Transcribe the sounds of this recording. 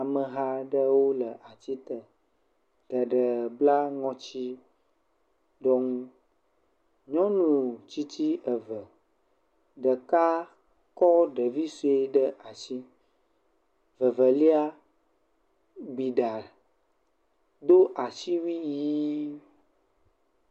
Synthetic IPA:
a˨mə̃˨ɦa˦ɖə˦wo˦lə˨ʔa˨t͡ɕi˦t̪ə˨ | ɡə˨ɖə˨bla˦ŋɔ̃˦t͡ɕi˦ | ɖɔ˦ŋũ˦ | ɲɔ̃˦nũ˨t͡ɕi˦t͡ɕi˦ə˨və˨ | ɖə˨ka˦ | kɔ˦ɖə˨vi˦su˨e˦ɖə˦ʔa˨si˦ | və˨və˨li˦a˦ | ɡ͡bi˨ɖa˨ | d̪o˦ʔa˨si˦wi˦ji˦

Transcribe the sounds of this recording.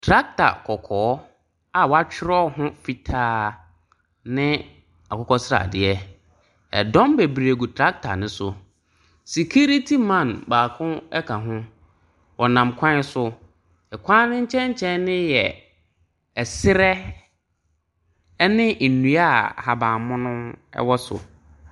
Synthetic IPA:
tʰɾa˦k̚tʰa̰˨kʰɔ˨kʰɔː˨˦ | a˨wɔ˦a˦t͡ɕᶣɪ˦ɾɔ˦ɦʊ̃˦fi˦tʰaː˦ | nɪ̃˦ | a˨kʰɔ˦kɔ˦sɪ˦ɾa̰˨dɪ˨ɛ˦ | ɛ̰˨dɔ̃˦mbe˨bɾe˨ɡu˨tʰɾa˦k̚tʰa̰˨nɪ̃˦sʊ˨ | si˨kʰu˦ɾi˦tʰi˦mã˦˨nbaː˨kʰʊ̃˦ɛ˦kʰa˨ɦʊ̃˦ | wɔ˨nã˨mkʷʰã˦sʊ˨ | ɛ˨kʷʰã˦nʊ̃˦ɲ̩˦t͡ɕʰɛ̃˦ɲ̩˦t͡ɕʰɛ̃˦n˦nɪ̃˦jɛ˨ | ɛ˨sɪ˦ɾɛ˦ | nɪ̃˦ʔnũ˨a˦ha˨bãː˨mʊ̃˦nʊ̃˦ɛ̰˦wɔ˦sʊ̰˨

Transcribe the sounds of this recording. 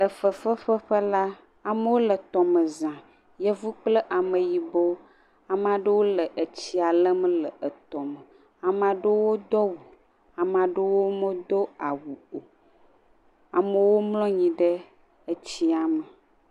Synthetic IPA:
lə˨fə˨fə˦ɸə˦ɸə˦la˦ | a˨mə˦wo˦lə˨t̪ɔ˨mə˨zã˨ | jə˦vu˦k͡plə˦ʔa˨mə˨ji˨bo˦ | a˨mã˨ɖə˦wo˦lə˨ʔə˨t͡ɕi˦a˨lə˦m˦lə˨ʔə˨t̪ɔ˨mə˨ | a˨mã˨ɖə˦wo˦d̪ɔ˦wu˨ | a˨mã˨ɖe˦wo˦mə̃˦d̪ɔ˦a˨wu˨o˨ | a˨mə˨wo˦mlɔ̃˦ɲĩ˨ɖə˦ | ə˦t͡ɕi˦a˨mə˨

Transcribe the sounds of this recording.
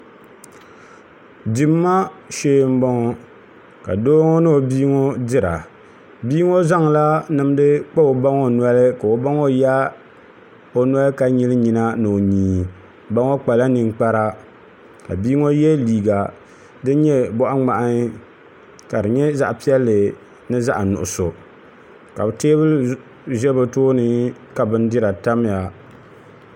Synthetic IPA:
di˨mːa˦ʃeː˦m̩˦bɔ˦ŋɔ˦ | ka̰˨doː˦ŋɔ˦nɨ˦o˨biː˦ŋo˦dɪ˦ɾa̰˨ | biː˦ŋo˦za˦ŋla˦nɨ˨m˦dɨ˦k͡pa˦o˨ba˦ŋo˨nɔ˦lɨ˦ka˨o˨ba˦ŋo˦ja˦ | o˦na˦lɨ˦ka˦ɲi˦lɨ˦ɲi˨na˦nɨ˨o˨ɲĩː˨ | ba˦ŋo˦k͡pa˨la˦ni˨ŋ˦k͡pa˦ɾa˦ | ka̰˨biː˦ŋo˦jɛ˦liː˨ɡa˨ | dɨ˦ɲɛ˦bʊ˦ʔa˦ŋ͡ma˨ʔa˦ŋ˦ | ka˨dɨ˨ɲɛ˦za̰˦ʔpi˦ɛ˦lːɨ˨ | nɨ˦za˦ʔa˨nʊ̰˨ʔʊ˨so˨ | ka˨bɨ˨teː˦bɨ˦ | ʒɛ˦bɨ˨toː˦nɨ˦ka˨bɨ˦n˦dɪ˦ɾa˨ta˦m˦ja˨

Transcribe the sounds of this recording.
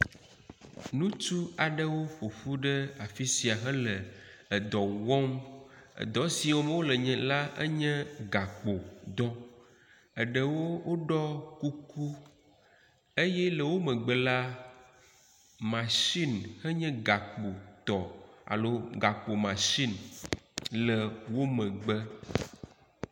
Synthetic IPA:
nũ˦t͡ʃu˦a˨ɖə˦wo˦ɸo˨fu˦ɖɛ˦a˨fi˦si˨a˨ɦə˦lə˨ | ə˨d̪ɔ˨wɔ˦mə̰˨d̪ɔ˦si˨wɔ˦m˦wo˦lə˨ɲɛ̃˨la˦ə̰˦ɲɛ̃˦ɡa˨k͡po˨d̪ɔ˦ | ə˨ɖə˨wo˦wo˦ɖɔ˦ku˦ku˦ | e˦jɛ˦lə˨wo˦mə̃˨ɡ͡bə˦˨la˦ | mã˨ʃi˦nhə˦ɲɛ̃˦ɡa˨k͡po˨t̪ɔ˨a̰˨lo˦ɡa˨k͡po˨mã˨ʃi˦n | lə˨wo˦mɛ̃˨ɡ͡bə˦

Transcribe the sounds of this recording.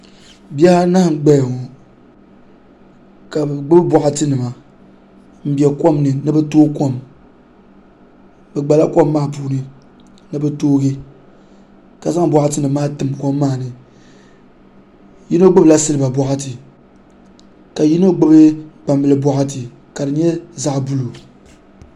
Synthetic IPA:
bjɛ˦ha˦na˦ɡ͡bɛ˦jŋɔ˨ | ka˨bɡ͡bɨ˦bɨ˦bwɔ˨ʔa˦tɨ˦nɨ˨ma˨ | m̩˦bɛ˨kʷo˦mnɨ˨nɨ˦bɛ˦toː˦ko˦m | bɛ˨ɡ͡ba˨la˦kʷo˦mːaː˦˨puː˦nɨ˨ | nɨ˦bɛ˦toː˦ɡɨ˦ | ka˨za˦ŋ˦bɔ˨ʔa˦tɨ˦nɨ˨˦maː˦tɨ˨mko˦mː˦aː˦˨nɨ˨ | ji˦no˦ɡ͡bɨ˦bɨ˨la˦sɨ˦lɨ˦ba˨bɔ˨ʔa˦tɨ˨ | ka˨ji˦no˦ɡ͡bɨ˦bɨ˦k͡pa˨mbɨ˨lɨ˦bʷɔ˦ʔa˦tɨ˨ | ka˨dɨ˨ɲɛ˦za˦ʔbu˦lu˨

